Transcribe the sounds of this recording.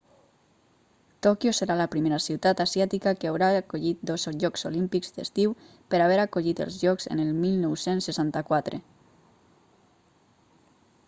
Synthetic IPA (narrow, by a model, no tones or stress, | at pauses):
t̪ɔkjoseɾalapɾimeɾasiwt̪at̪asjat̪ikakeawɾakoʎit̪̚d̪ozoʒɔkz̥olimpikzd̪ḛst̪iw | peɾaβ̞eɾakoʎit̪ə̰lˠzʒɔkzḛnelmilˠnɔwsensːesant̪akwat̪ɾḛ